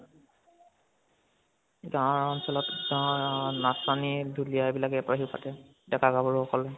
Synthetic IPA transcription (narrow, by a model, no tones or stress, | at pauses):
ɡaɔɹɔnsɔlɔtɡaɔɹnasanidʱulijajbilakɛpɹaɦipa̰tɛ | dɛkaɡabɔɹɔkɔlɛ